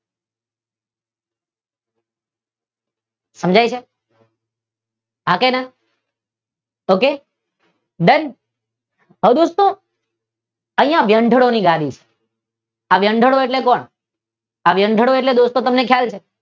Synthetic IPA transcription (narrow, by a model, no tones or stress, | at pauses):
səmd͡ʒʱajt͡ʃʰe | ɦakena | oke | d̪ən | ɦəd̪ost̪o | əĩjãʋjəɳɖʱəɽoniɡad̪it͡ʃʰe̥ | aʋjəɳɖʱəɽoeʈlekɔɳ | aʋjəɳɖʱəɽoeʈled̪ost̪ot̪əmnekʰjalt͡ʃʰe